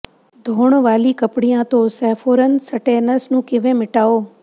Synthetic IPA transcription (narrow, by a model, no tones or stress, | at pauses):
d̪ʱoːɳ̃ʋaːlikəpɽijãt̪oːsɛːfoːɾən̆səʈeːnəsnũːkɪʋẽːmɪʈaːoː